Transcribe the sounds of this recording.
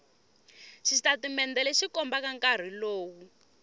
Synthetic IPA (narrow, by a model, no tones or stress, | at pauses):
ʃitatimɛndɛlɛʃikɔmbakaŋkar̤iloːwu